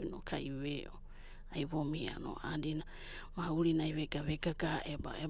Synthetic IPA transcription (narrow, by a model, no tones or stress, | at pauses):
inokʰajβeo | ajβomia̰no̰ʔadina | mauɾinajβeɡaβeɡaɡaeba̰e